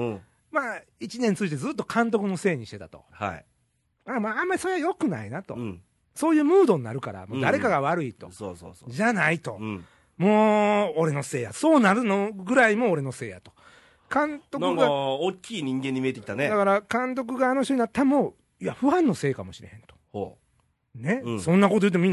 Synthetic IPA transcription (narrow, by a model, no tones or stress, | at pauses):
ɯ̃ | maː | it͡ɕinẽnt͡sɨit̪e̞d͡zzɨt̪ːo̞̥kʰãnt̪̬o̞kɯ̟no̞se̞ːɲ̟iɕi̥t̪e̞t̪at̪o̞̰ha̰i | amaːamːaɾʲiso̞ɾeajo̞kɯ̟na̰inat̪o̞̰ | so̞ːjɯ̟ːmɯːd̪o̞ɲ̟ina̰ɾɯ̟ka̰ɾa̰mod̪aɾe̞kaɡaβaɾɯ̟it̪o̞̰so̰so̰sʑanait̪o̞̰ | mo̞ːoɾe̞no̞se̞ːjaso̞ːnaɾɯ̟noɡɯ̟ɾaimo̞ːɾe̞no̞se̞ːja̰t̪o̞̥ | kãnt̪o̞naɯɡaokʲʰːiːɲ̟ĩŋɡẽɲ̟ːimiet̪ekit̪aned̪akaɾakãnt̪̬o̞k̬ɯ̟ɡaːnoɕ̬oɲ̟inat̪ːamo̞ | iaɸɯ̟ãnːo̞se̞ːkamo̞ɕiɾe̞hẽ̞nt̪o̥o | ne̞sõ̞nːako̞t̪ojɯt̪̬ːemminː